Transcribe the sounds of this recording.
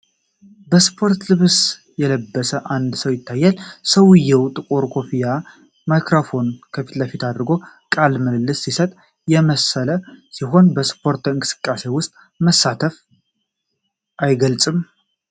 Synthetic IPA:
bəspʰo̞ɾt̪lɨβs | jɛləbːəsəʔand̪səwjɪt̪ʰːajːalsəwjɛwt̪ʼɨkʼuɾkʰo̞pʰija | majkɾofo̞nkʰəfi̥t̪ləfit̪ʰad̪ɾɡo̞ | kʼalməllːɨsːisət̪ʼ | jɛməsələsiɦo̞nbəspʰo̞ɾt̪ɨŋkʼɨsɨ̥kʼːase̞wʊst̪ʼ | məsːat̪ʰəf | ʔajɡəlt͡sʼɨm

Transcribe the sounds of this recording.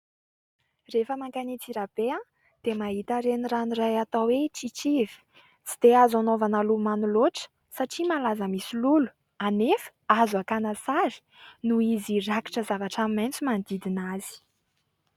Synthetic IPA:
refəmaŋkanit͡siɾab̥ea | d̪̥emaɦit̪aɾeniranirajat̪awet͡sit͡ʃivi̥ | t͡si̥d̪̥eazanovanalumanuloʈ͡ʂə̥ | saʈ͡ʂimalazəmisilulu̥ | anefə̥azuakanasaɾi̥ | nuiziraki̥ʈ͡ʂəzavaʈ͡ʂamment͡sumand̪id̪inazi̥

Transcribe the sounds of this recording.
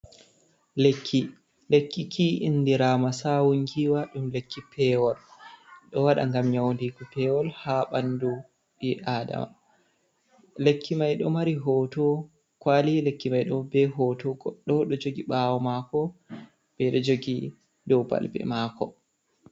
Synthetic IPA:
lekʰːi | lekːikʰiʔinːdiɾamasawuŋɡiwaɗumlekːipɛwɔlɗɔwaɗa̰ŋɡamɲawndiɡɔpɛwɔlhaɓandu | ɓiʔaːda̰ma̰ | lekʰːimajɗɔmaɾiɦɔtɔ | kwalilekːimajɗɔbɛɦɔtɔɡɔɗːɔɗɔd͡ʒoɡiɓawɔmakɔ | b̥ɛɗɔd͡ʒoɡi | dɔwba̰lbɛ̰maːkɔ

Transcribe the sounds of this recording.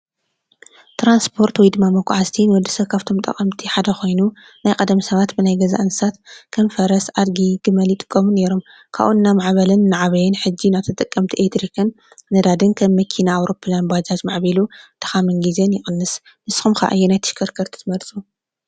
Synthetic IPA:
t̪ʰɾanspʰo̞ɾt̪wɔjd̪ɨmːamɐkʷʼːʕazt̪ʰinwɔd̪ːisɐβkʰaβt̪ʰo̞mt̪ʼɐ̰kʼɐmt̪ʰiħad̪ɐxo̞jnu | najkʼɐd̪misɐβat̪bɨnajɡɐza̰ʔɨnɨsat̪kʰɐmfɐɾɐsʕad̪ɡiɡɨmɐljɪt̪ʼɨ̥kʼːɐmune̞ɾo̞m | kʰa̰βʔuɨnːamaʕβɐlɨnːaʕaβɐjɛnħɨd͡ʒːinaβt̪ʰɐt̪ʼɨkʼːɐmt̪ʰiʔet̪ɾikʰɨnː | ɐd̪ad̪ɨnkʰɐmːɐkʰinaːwɾo̞pʰːlanbad͡ʒazmaʕbilut̪ʰɐ̥xamɨnɡizenjɪxʼɨnːɨs | mɨsxumxa̰ʔa̰jːenajt̪ʰɨ̥ʃkʰɐɾkʰɐɾt̪ʰɨ̥t̪ʰɨmɐlt͡sʼu

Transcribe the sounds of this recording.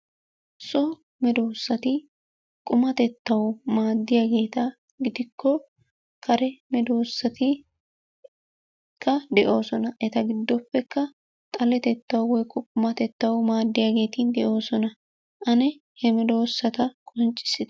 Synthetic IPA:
sɔ | mɛd̪o̞ːsːɐt̪ɪ | kʼʊmɐt̪ɛt̪ːɐwɔmaːd̪ːɪjaɡe̞ːt̪ɐ | ɡɪd̪ɪkʰːɔ | kʰɐɾɛmɛd̪o̞ːsːɐt̪ɪ | kʰːɐd̪ɛʔo̞ːsɔnɐʔɛt̪ɐɡɪd̪ːɔpːɛkːɐ | t̪ʼɐlɛt̪ɛt̪ːɐwɔwɔjkːɔkʼʊmɐt̪ɛt̪ːɐwɔmaːd̪ːɪjaːɡe̞ːt̪ind̪ɛʔo̞ːsɔnɐ | ʔɐnɛ | hɛmɛd̪o̞ːsːɐt̪ɐkʼɔnt͡ʃʼːɪ̥sɪd̪

